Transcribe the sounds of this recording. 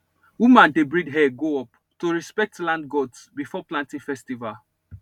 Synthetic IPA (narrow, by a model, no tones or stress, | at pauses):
wumãndebɹidɦɛɡoɔp | toɹispɛk̚tlãndɡɔtsbifɔplãntĩŋfɛstival